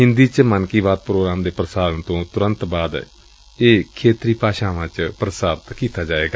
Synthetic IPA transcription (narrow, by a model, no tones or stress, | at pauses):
ɦɪnd̪iːt͡ʃmənkiːʋaːd̪̚pɾoːɡɾaːmd̪eːpɾəsaːɾənt̪õːt̪ʊɾənt̪baːd̪ | eːkʰeːt̪ɾiːpaːʃaːʋãːt͡ʃpɾəsaːɾt̪kiːt̪aːd͡ʒaːeːɡaː